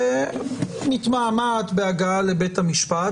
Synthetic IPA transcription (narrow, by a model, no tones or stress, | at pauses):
mit̪mamat̪beaɡaalebethamiʃpa